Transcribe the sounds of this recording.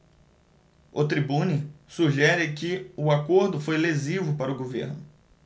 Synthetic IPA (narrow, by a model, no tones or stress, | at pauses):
ʊt̪ɾibũnɪsuʒɛɾɪkɪʊakoɾd̪ʊfojlezivʊpaɾʊɡovḛɾnʊ